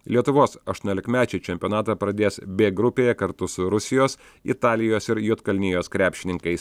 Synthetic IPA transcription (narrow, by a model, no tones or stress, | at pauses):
lʲiɛt̪ʊʋoːsɐʃt̪uʊnʲolʲɪkmʲæːt͡ʃʲɛɪt͡ʃʲɛmʲpʲɪoːnɑːt̪ɑːpɾɐd̪ʲeːsbʲeːɡɾʊpʲeːjɛkɐɾt̪ʊsʊɾʊsʲɪjoːs | ɪ̰t̪ɑːlʲɪjoːsɪɾjuːt̪kɐlʲnʲɪjoːskɾʲæːpʲʃʲɪnʲɪŋkɐɪs